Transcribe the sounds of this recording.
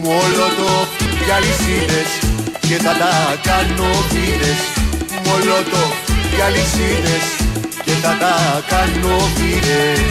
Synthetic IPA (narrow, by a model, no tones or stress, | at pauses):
molot̪ojalisiðesket̪at̪akanoβiɾesmolot̪ojalisiðesket̪at̪akanomiɾe